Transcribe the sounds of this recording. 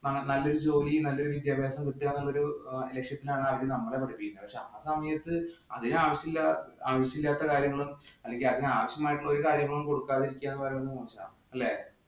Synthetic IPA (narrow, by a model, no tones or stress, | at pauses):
nɐŋnɐlːoɾud͡ʑo̞ːlinɐlːo̞ɾuʋid̪jaːbʱjaːsɐmkiʈːijaːnːɐɭːoɾule̞kʂjɐt̪ːilaːɳɨɐʋiɽenɐmːɐɭe̞pɐʈʰɐpːikʲːunːɐpɐkʂeɐasɐmɐjɐt̪ːɨɐðinaːʋɐɕjɐmilːɐaːʋɐɕɐmilːaːt̪ːɐkaːɾjɐŋːɐɭumɐlːe̞ŋɡilɐðinɨaːʋɐɕjɐmaːjʈːuːɐo̞ɾukaːɾjɐŋːɐɭumko̞ɽukːaːðiɾikʲːaːnːɐpɐɾɐmenːɨpɐːɐt͡ɕːɐɳɐ̰m | ɐlːe̞